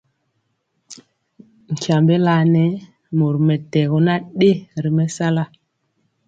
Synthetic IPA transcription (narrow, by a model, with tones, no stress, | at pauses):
ŋ̩˨kja˨mbɛ˦la˨˦nɛ˨˦ | mo˨ɾmɛ˨tɛ˨ɣo˨na˦ɗe˦ɾi˨mɛ˦sa˦la˦